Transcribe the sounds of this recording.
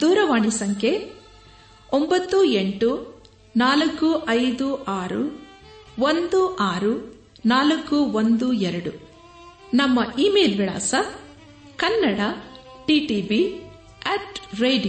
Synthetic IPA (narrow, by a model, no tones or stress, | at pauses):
d̪uːɾɐʋaːɳisɐŋkʰe | ombɐt̪ːueɳʈu | naːlɐkːuʔɐjd̪uʔaːɾu | ʋond̪uʔaːɾu | naːlɐkːuʋond̪uɛɾɐɽu | nɐmːɐʔiːmeːlʋiɭa̰ːsɐ | kɐnːɐɽɐʈiːʈiːbi | ɐʈɾeːɖij